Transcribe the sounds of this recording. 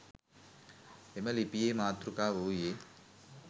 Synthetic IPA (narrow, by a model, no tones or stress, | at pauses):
emɐlipijeːmaːt̪ɾukaːʋoje